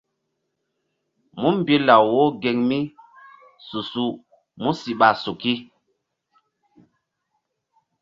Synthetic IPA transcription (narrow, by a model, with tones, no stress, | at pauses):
mu˦m˨bi˦la˨wwo˦ɡe˨ŋmi˦ | su˨su˦ | mu˦si˨ɓa˨su˨ki˦